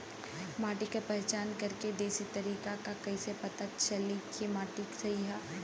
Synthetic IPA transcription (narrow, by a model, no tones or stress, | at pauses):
maːʈɪkapɛɦt͡ʃaːnkɐɾked̪eːsit̪ɐɾiːkakakɐisepɐt̪at̪t͡ʃɐlikimaːʈɪksɐiɦaː